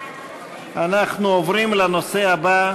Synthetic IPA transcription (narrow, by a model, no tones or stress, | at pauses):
anaχnuovɾimlano̞se̞aba